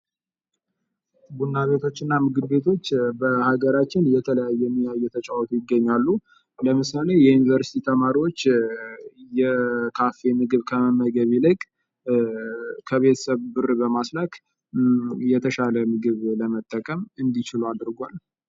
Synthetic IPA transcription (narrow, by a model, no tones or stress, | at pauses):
bunːaβe̞t̪ʰo̞t͡ʃːɨnːamɨɡɨbbe̞t̪ʰo̞t͡ʃːbəhaɡəɾat͡ʃːɪnjɛt̪ʰələjajːɛɛmːijajːɛt̪ʰət͡ʃʼawɔt̪ʰujɪɡːəɲːalːu | ləmɨsəlejɛjunivəɾsi̥t̪ʰit̪ʰəmaɾiwo̞t͡ʃː | jɛkʰafe̞mɨɡɨβkʰəməməɡəβilɨkʼ | kʰəβe̞t̪ʰə̥səβbɨrbəmaslak | jɛt̪ʰəʃaləmɨɡɨβləmət̪ʼːəkʼəmɨnd̪it͡ʃɪluad̪ɾɡʷal